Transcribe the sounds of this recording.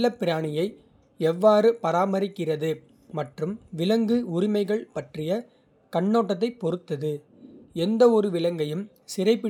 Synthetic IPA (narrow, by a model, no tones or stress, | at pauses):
ɐpːɪɾaːɳɪjɐɪ | ɛʋːaːɾɯpɐɾaːmɐɾɪkːɪrɐðɯ | mɐʈrɯmʋɪlɐŋɡɯʊɾɪmɐɪɣɐɭpɐʈrɪjɐ | kɐɳːoːʈːɐt̪̬ːɐɪpɔɾɯt̪ːɐðɯ | ɛnd̪ɐɔɾɯʋɪlɐŋɡɐjɯm | sɪrɐɪpːɪ